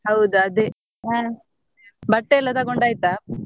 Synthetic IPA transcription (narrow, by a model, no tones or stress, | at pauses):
hɐwd̪uɐd̪e | aː | bɐʈːeɛlːɐt̪ɐɡoɳɖaːjit̪aː